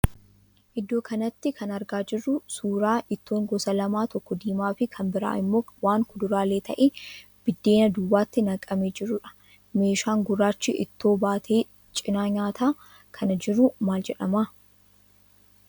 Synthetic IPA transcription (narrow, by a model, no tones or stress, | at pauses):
ʔɪd̪ːo̞ːkʰɐnɐt̪ːɪkʰɐnɐɾɡaːd͡ʒɪrːʊsuːɾaːʔɪt̪ːo̞ːŋɡɔsɐlɐmaːt̪ɔkːɔd̪iːmaːfɪkʰɐmbɪɾa̰ːʔɪmːoːwaːŋkʊd̪ʊɾaːleːt̪ʰɐ̰ʔeː | b̥ɪd̪ːe̞ːnɐd̪ʊːwaːt̪ːɪnɐkʼɐmeːd͡ʒɪɾːʊᶑɐ̥ | me̞ːʃaːŋɡʊrːaːt͡ʃːɪʔɪ̰t̪ːo̞ːbaːt̪ʰeː | t͡ʃʼɪnaːɲaːt̪ʰaː | kʰɐnɐd͡ʒɪɾːʊmaːld͡ʒɛᶑɐmaː